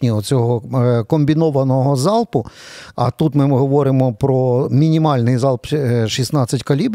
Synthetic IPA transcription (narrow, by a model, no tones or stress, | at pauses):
nʲiɔt͡sʲɔɦɔkɔmʲbʲinɔʋɐnɔɦɔzɑlˠpʊɐt̪ut̪mɪɦɔʋɔɾɪmɔpɾɔmʲinʲimɑlʲnɪjzɑlˠpʃisnɑt͡sʲːɐtʲkɐlʲib